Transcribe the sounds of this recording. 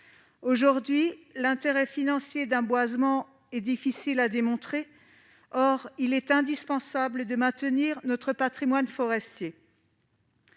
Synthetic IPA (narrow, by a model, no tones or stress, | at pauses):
oʒuʁd̪ɥilɛ̃t̪eʁɛfinɑ̃sjed̪ɛ̃bwazmɑ̃ | ɛd̪ifisilad̪emɔ̃t̪χe | ɔʁilɛt̪ɛ̃d̪ispɑ̃sabləd̪əmɛ̃t̪əniʁnɔt̪χəpat̪χimwanfɔʁɛst̪je